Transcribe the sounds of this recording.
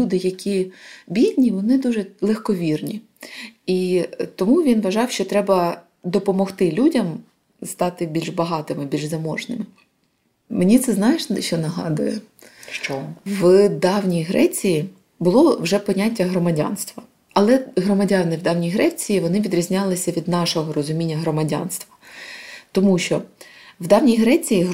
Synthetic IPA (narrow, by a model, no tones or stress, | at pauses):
lʲud̪ɪjɐkʲibʲidʲnʲiʋɔnɪd̪uʒɛlˠexkɔʋʲirnʲi | it̪ɔmuʋʲinʋɐʒɑwʃt͡ʃɔt̪ɾɛbɐ | d̪ɔpɔmɔxt̪ɪlʲudʲɐm | st̪ɑt̪ɪbʲilʲʒbɐɦɑt̪ɪmɪbʲilʲʒzɐmɔʒnɪmɪ | menʲit̪sɛznɑjeʃʃt͡ʃɔnɐɦɑ̰d̪ʊjɛ | ʃt͡ʃɔʋd̪ɑwnʲijɦɾʔɛt͡sʲiji | bʊlˠɔwʒɛpɔnʲatʲːɐɦɾɔmɐdʲa̰nst̪ʋɐ | ɐlˠɛɦɾɔmɐdʲanɪwd̪ɑwnʲijɦɾɛt͡sʲijiʋɔnɪʋʲid̪ɾʲizʲnʲɑlˠɪsʲɐʋʲid̪nɑʃɔɦɔɾɔzʊmʲinʲːɐɦɾɔmɐdʲa̰nst̪ʋɐ̥ | t̪ɔmuʃt͡ʃɔwd̪ɑwnʲijɦɾɛt͡sʲiji